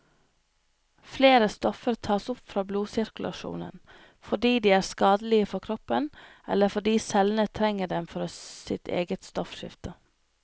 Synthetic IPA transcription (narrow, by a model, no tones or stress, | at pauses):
fleːɾəst̪ɔfəɾt̪ʰɑːsʊpfɾɑːbluːsɪɾkʉlɑ̰ʃṵːnə̰n | fɔɖiːd̪iːæːɾskɑːd̪əlɪəfɔkʰɾɔpən | ʔɛ̰ləfɔɖiːsɛlnət̪ʰɾɛŋəɖɛmfɔɾsɪ̰t̪ʰḛːɡət̪st̪ɔfʃɪ̰ft̪ə